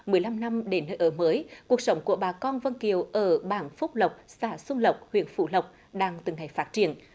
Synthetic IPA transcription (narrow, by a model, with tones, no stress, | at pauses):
mɨ˨˩əjla˧mna˧mɗe˨˦nːəː˧jʔəː˧˩məː˨˦jku˨˩ək̚sə˨˦wŋ͡mku˧˩əɓaː˨˩kɔ˧nvə˧nki˨˩əwʔəː˧˩ɓaː˧˩nfʊ˦˥k͡p̚lə˨˩wk͡p̚saː˧˩sʊ˧ŋ͡mlə˨˩wk͡p̚hwḭ˧˨ənfṵ˧˥lə˨˩wk͡p̚ | ɗaː˧ŋt̪ɨ˨˩ŋːa˨˩jfaː˦˥t̚t͡ɕi˧˨ən